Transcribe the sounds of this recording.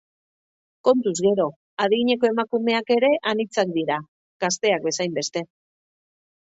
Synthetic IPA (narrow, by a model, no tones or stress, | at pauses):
ko̞nt̪uzɣe̞ɾo̞ | aðiɣiɲe̞ko̞e̞makume̞ake̞ɾe̞ʔanit͡sak̚d̪iɾa | ɣ̥ast̪e̞ak̚be̞sajmbe̞st̪e̞